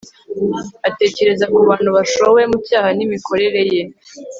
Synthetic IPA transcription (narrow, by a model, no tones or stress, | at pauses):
ate̞ːce̞ɾe̞zakuβaːn̤̥huβaʃowe̞mucaːhanimikʰo̞ɾe̞ɾe̞je